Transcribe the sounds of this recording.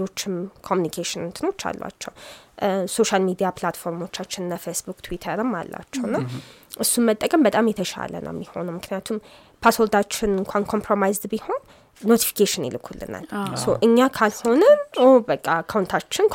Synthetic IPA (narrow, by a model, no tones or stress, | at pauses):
o̞t͡ʃːɪmkʰomjunikʰeʃɪnɨnt̪ʰɨno̞t͡ʃːa̰lːwa̰t͡ʃːɛw | so̞ʃalmid̪ijaplat̪fo̞ɾmo̞t͡ʃːat͡ʃːɪnɨnːafesbukt̪ʰwit̪ʰəɾɨmːa̰lːa̰t͡ʃːɛwnːaʔɨsːumət̪ʼːəkʼəmbət̪ʼamjɛt̪ʰəʃa̰lə̰nʔə̰wmːiho̞̰nəwmɨknijat̪ʰum | pʰasold̪at͡ʃːɪnɨŋkʷʰankʰo̞mpʰɾo̞majzd̪biho̞nː | o̞t̪ʰi̥fi̥kʰeʃɪnḭlɨkʰːulːɨ̰na̰lsowʔɨɲːakʰalho̞nəobəkʼːakʰawnt̪ʰat͡ʃːɪnkʰ